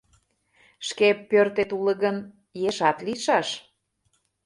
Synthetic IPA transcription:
ʃkepːørt̪et̪ulə̆ɣən | jeʃɑt̪liʃɑʃ

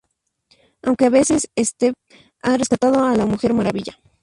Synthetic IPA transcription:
awŋke̞aβe̞se̞sest̪e | are̞skat̪að̞oalamuxe̞ɾmaɾaβiʝa̰

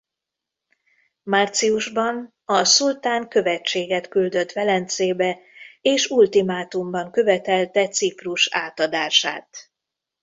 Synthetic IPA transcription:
mart̪siuʒbɒn | ɒsult̪aːŋkø̞vɛt͡ʃːeːɡɛt̪kyld̪ø̞t̪ʋɛlɛnt̪seːbɛ | eːʃult̪imaːt̪umbɒŋkø̞vɛt̪ɛlt̪ɛt̪sipruʃa̰ːt̪ɒd̪aːʃa̰ːt̪

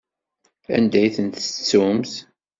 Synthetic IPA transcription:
æ̰nd̪æjθənt̪ət͡sːumθ

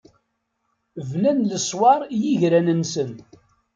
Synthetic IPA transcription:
vnænləsˤwɑɾˤjiʝɾænənsən

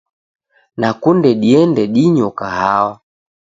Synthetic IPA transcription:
nakundɛɗiɛndɛɗiɲɔkahawɔ

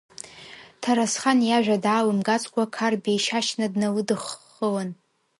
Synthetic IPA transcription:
tʰaɾasχanjaʒᶣʷadaːwɨmɡat͡sʼʰkʷʰakʰarbejʃaʃnadnawɨdɨχː | əwan

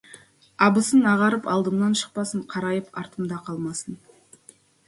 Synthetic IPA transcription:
ɑbəsənɑʁɑɾəpɑlˠd̪əmnɑnʃə̥q̚pɑsəɴqʰɑɾɑjəpɑɾt̪əmd̪ɑqʰɑlˠmɑsən

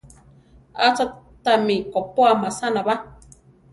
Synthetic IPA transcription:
a̰t͡sa | t̪amikopoamasanaβa

